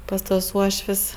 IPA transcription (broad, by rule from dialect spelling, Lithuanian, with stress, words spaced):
pɐs tuɔs ˈuɔʃʲʋʲsʲ